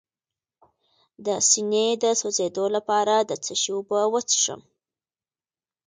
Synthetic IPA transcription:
d̪əsined̪əsozed̪olapɑɾad̪ət͡səʃuwbəwət͡sʂə̰m

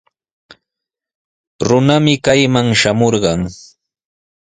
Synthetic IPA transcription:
ɾʊnamɪkajmaŋʃamoɾɢɑŋ

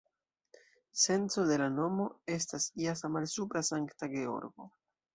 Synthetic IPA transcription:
se̞nt͡so̞de̞lano̞mo̞e̞stasiasamalsupɾasaŋktaɡe̞o̞̰ɾɡo̞̰

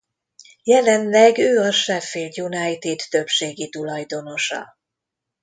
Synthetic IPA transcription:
jɛlɛnlɛɡøːɒʃɛfild̪junɒjt̪id̪ːø̞pʃeːɡit̪ulɒjd̪o̞no̞ʃɒ̰

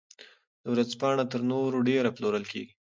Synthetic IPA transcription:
d̪əwɾazpɑɳat̪əɾnoɾoɖeɾaploɾəlkḛɡi

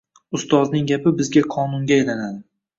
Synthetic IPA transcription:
ʊst̪ɒznɪŋɡʲapɪbɪzɡʲaqʰɒnʊŋɡʲaelanad̪ɪ

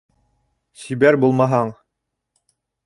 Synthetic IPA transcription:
sibæɾbulˠmɑɦɑɴ

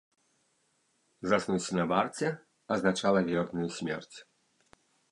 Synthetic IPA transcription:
zasnuwsʲinɐbart͡sʲɛ | ɐznat͡ʃalˠɐvʲɛrnʊjusʲmʲɛ̰rt͡sʲ

